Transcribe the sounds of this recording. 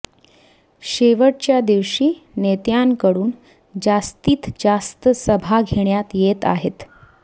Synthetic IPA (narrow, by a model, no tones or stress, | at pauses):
ɕeʋəʈ̚t͡ɕjad̪iʋɕiːnet̪jaŋkəɽuːn | d͡zast̪iːt̪d͡zast̪əsəbʱaɡʱeɳjat̪jet̪a̰ɦet̪